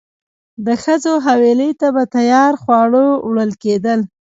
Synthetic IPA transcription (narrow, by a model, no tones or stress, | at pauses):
d̪əxəzoɦaweləjt̪abat̪ajɑɾxwɑɽowɽəlked̪əl